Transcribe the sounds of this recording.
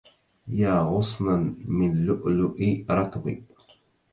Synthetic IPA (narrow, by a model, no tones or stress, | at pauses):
jaːɣʊsˤnamɪnlʊʔlʊʔiɾˤɑt̪ˤbḭ